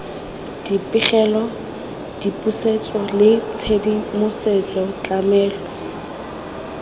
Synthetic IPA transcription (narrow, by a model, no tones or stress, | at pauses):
d̥ipʼɪχɛlɔ | d̥ipʼuset͡sʼɔlɪt͡sʰedimʊset͡sʼɔt͡ɬʼamɛːlɔ